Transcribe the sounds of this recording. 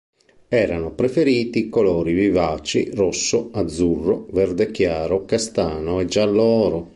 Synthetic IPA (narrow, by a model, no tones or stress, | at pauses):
ɛːɾanopɾefeɾiːt̪ikolɔːɾivivaːt͡ʃḭrɔsːoad̪zːurːoverd̪ek̟jaːɾokast̪aːnoɛd͡ʒalːɔːɾo